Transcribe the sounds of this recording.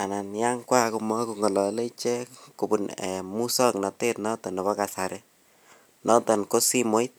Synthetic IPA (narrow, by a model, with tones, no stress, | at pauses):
a˨na˨nja˦ŋkwa˦ku˨mɔ˦ku˨ŋɔ˨lɔ˨le˦t͡ʃe˦ku˨bu˨ne˨mu˦sɔ˦knɔ˨te˦tnɔ˦tɔ˨nɔ˨βɔ˦ka˨sa˨ɾe˦ | nɔ˦tɔ˨nko˦si˦mo˦it̚